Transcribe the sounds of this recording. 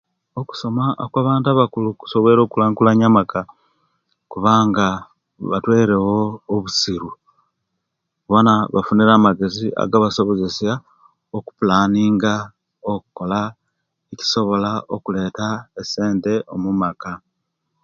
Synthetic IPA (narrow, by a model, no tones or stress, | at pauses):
oku̥so̞maʔokwaːβaːntuaβakuluku̥so̞βeɾo̞ːkulaːŋkulaɲamaka | kuβaːŋɡa | βatweːɾewoːβusiɾu | βonaβa̰funiɾaːmaɡe̞ziʔa̰ɡaβaso̞βo̞ze̞sja | oku̥pulaːniːŋɡa | okuko̞la | eci̥so̞βo̞laokule̞ːtaese̞ːnte̞ʔo̞mumaka